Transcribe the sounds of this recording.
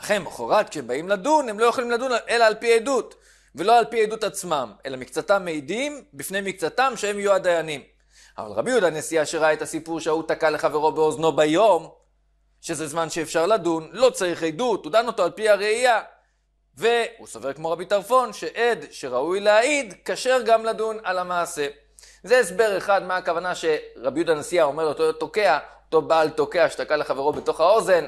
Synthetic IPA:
aχemaχoʁat̪kʃebaimladune̞mlo̞joχolimlad̪unʔe̞laːlpiejdut̪ | ve̞lo̞alpiejd̪ut̪at͡smame̞lamikt͡satamːejd̪imbifne̞jmikt͡satamʃeemjuad̪ajanim | a̰va̰lʁa̰bijud̪anesijaʃeʁaaet̪asipuʁʃeautakaleχaveʁo̞beozno̞bajo̞m | ʃe̞zezmanʃeːfʃaʁladunlo̞t͡saʁiχejd̪ut̪udano̞to̞alpiaʁeija | ve̞husoveʁkmo̞ʁabitaʁfo̞nʃe̞ʔed̪ʃe̞ʁaujleaid̪kaʃe̞ʁɡamladunalamaːse̞ | zeesbe̞ʁe̞χadmeakavanaʃe̞ʁabjud̪anesijao̞melot̪oto̞ke̞aoto̞baːlto̞ke̞aʃetakaleχave̞ʁo̞bet̪o̞χao̞ze̞n

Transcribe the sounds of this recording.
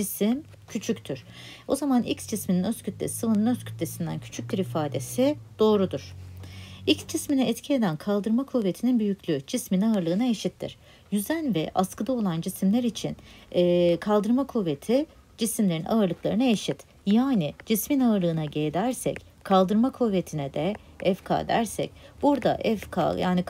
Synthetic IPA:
d͡ʒisim | cʰyt͡ʃʰyct̪ʰyɾ̥ | o̞̰zamanʔḭcsd͡ʒismininøscʰyt̪lʲḛssɯvɯnɯnøscʰy̥t̪lʲe̞sind̪æ̰ncʰy̥t͡ʃʰyc̚biɾifaːd̪e̞sid̪̥o̞ːɾud̪uɾ̥ | icsd͡ʒisminɛɛt̪cʰie̞d̪ænkʰalˠd̪ɯɾmakʰuvːe̞t̪ʰininbyjycʲʰlʲyd͡ʒisminaɯɾlˠɯːnaeʃit̪ʰːḭɾ̥ | jyzænvɛ̰ʔaskɯd̪ao̞lˠand͡ʒisimlʲæɾit͡ʃʰḭnː | kʰalˠd̪ɯɾmakʰuve̞t̪ʰi | d͡ʒisimlʲe̞ɾinʔa̰ɯɾlˠɯklˠaɾɯnaeʃit̪ | jaːnid͡ʒisminaɯɾlˠɯːnaɟejd̪æɾsɛ̰c | kʰːalˠd̪ɯɾmakʰuve̞t̪ʰinɛd̪ɛ | ɛfkʰa̰ːd̪æ̰ɾsɛ̰cb̥uɾd̪a̰ʔɛfkʰa̰jaːni

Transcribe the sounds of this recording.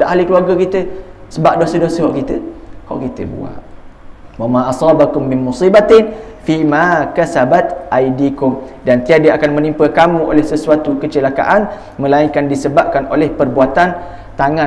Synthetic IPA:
daʔɦalikəluarɡakit̪ə | səbaʔ̚dosədosəɦɔʔkit̪əhɔ̰ʔkit̪ə̰bṵa̰ʔ | wamãʔɑsˤɑːbakʊmːɪnmusibat̪ɪn | fimakasabat̪ʔajdikʊmdant̪iadəakanmə̃nimpəkamũʔo̰lɛhsəsuat̪ukət͡ʃəlaka̰ʔan | mə̃laiŋkandisəbap̚kanolɛhpərbuat̪an | t̪aŋã

